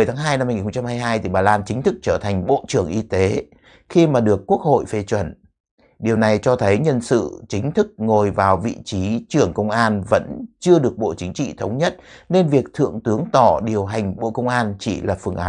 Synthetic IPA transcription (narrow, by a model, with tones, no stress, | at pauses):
t̪ʰaː˨˦ŋɦaː˧jna˧mːa˧ji˨˩xŋ͡mt͡ɕa˧mhaː˧jɦaː˧jt̪ʰi˨˩ɓaː˨˩laː˧nt͡ɕï˨˦ŋ̟t̪ʰɨ˦˥k̚t͡ɕəː˧˩t̪ʰa˨˩jŋ̟ɓo̰˧˨t͡ɕɨ˧˩əŋʔi˧t̪e˨˦ | xi˧maː˨˩ɗɨ˨˩əkːu˦˥ək̚ho̰˧˨jfe˧˩t͡ɕwə̰˧˨n | ɗi˨˩əwna˨˩jt͡ɕɔ˧t̪ʰə˨˦jɲə˧nsɨ̰˧˨t͡ɕï˨˦ŋ̟t̪ʰɨ˦˥k̚ŋo˨˩jvaː˨˩wvḭ˧˨t͡ɕi˨˦t͡ɕɨ˧˩əŋkə˧wŋ͡mʔaː˧nvə̰˧˥nt͡ɕɨ˧əɗɨ˨˩ək̚ɓo̰˧˨t͡ɕï˨˦ŋ̟t͡ɕḭ˧˨t̪ʰə˨˦wŋ͡mɲə˦˥t̚ | ne˧nvi˨˩ək̚t̪ʰɨ̰˧˨əŋt̪ɨ˨˦əŋt̪ɔ˧˩ɗi˨˩əwɦa˨˩jŋ̟ɓo̰˧˨kə˧wŋ͡mʔaː˧nt͡ɕḭ˧˩laː˨˩fɨ˨˩əŋʔaː˨˦